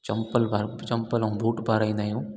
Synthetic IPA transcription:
t͡ʃɐmpəlbaɾt͡ʃɐmpəlũbʱuːʈbaɾaĩnajũ

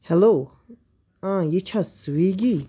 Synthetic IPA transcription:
hɛlo | ãjit͡ɕʰaswiɡi

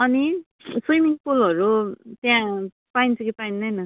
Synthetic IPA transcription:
ʌni | sujmiŋpulʌɾut̪jã | paint͡sʰʌkipainːʌjnʌ

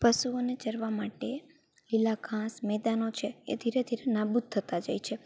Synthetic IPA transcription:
pəʃuonet͡ʃəɾʋamaʈe | lilaɡʱãsmɛd̪anot͡ʃʰeḛd̪ʱiɾed̪ʱiɾenabut̪ʰːət̪ad͡ʒajt͡ʃʰe

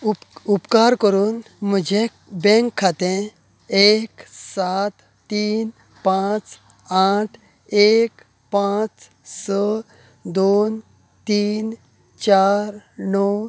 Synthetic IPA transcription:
upkaɾkəɾuːn | mud͡ʑʱe | bɛ̃ŋkʰːat̪ẽ | eksat̪ːiːn | pãt͡s | aʈʰ | ek | pãt͡s | sə | d̪on | t̪iːn | t͡ɕaɾnɔw

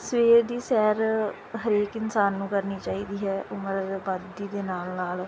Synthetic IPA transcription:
sʋeːɾd̪iːsɛːɾ | ɦəɾeːkɪnsaːnːũːkəɾniːt͡ʃaːiːd̪iːɦɛːʔʊməɾad̪bad̪iːd̪eːnaːlnaːl

